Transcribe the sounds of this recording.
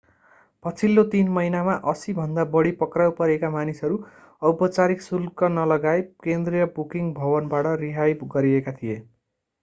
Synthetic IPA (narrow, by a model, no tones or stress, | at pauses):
pʌt͡sʰilːot̪inmʌinamaʔʌsibʱʌnd̪abʌɽipʌkrawpʌɾekamanisʌɾu | ʌwpʌt͡saɾiksulkʌnʌlʌɡaekend̪rijʌbukiŋɡbʱʌbʌnbaʈʌriɦajɡʌɾiekat̪ʰije